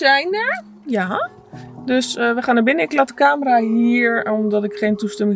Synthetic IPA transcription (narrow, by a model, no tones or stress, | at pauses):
ɛjndə | ja | døsəʋəxaːnabɪnəɪklatə̥kaːməraɦiəɹɔmdɔtɪkχeːntustɛmɪ